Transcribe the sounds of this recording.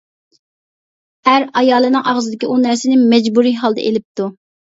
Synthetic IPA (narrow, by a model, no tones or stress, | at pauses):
æɾɑjɑːlˠɨnɨŋʔɑʁzɨd̪ɪkʲiʔunæɾsɪnɪmɛd͡ʒbuɾiɦɑlˠd̪ɛ̰ʔḛlɪp̚t̪u